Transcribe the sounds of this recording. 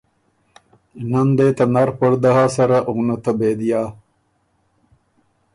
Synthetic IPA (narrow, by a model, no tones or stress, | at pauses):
enɐnd̪eːt̪ɐnɐɾpoɾd̪ɐɦaːsɐɾɐʔunɐt̪ɐbeːd̪ijaː